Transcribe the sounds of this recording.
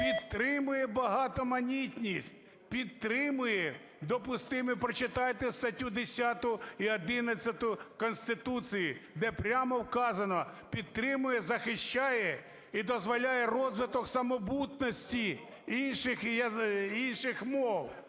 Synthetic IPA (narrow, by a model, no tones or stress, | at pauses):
pʲid̪t̪ɾɪmʊjɛbɐɦɑt̪ɔmɐnʲitʲnʲisʲtʲ | pʲid̪t̪ɾɪmʊjɛ | d̪ɔpʊst̪ɪmɪpɾɔt͡ʃɪt̪ɑjt̪ɛst̪ɐtʲud̪esʲat̪ʊiɐd̪ɪnɐt͡sʲːɐt̪ʊkɔnsʲt̪ɪt̪usʲijid̪ɛpɾʲamɔwkɑzɐnɔpʲid̪̚t̪ɾɪmʊjɛzɐxɪʃt͡ʃajɛ | id̪ɔzʋɐlʲajɛrɔzʋɪt̪ɔksɐmɔbut̪nɔsʲtʲi | inʃɪxjɐinʃɪxmɔw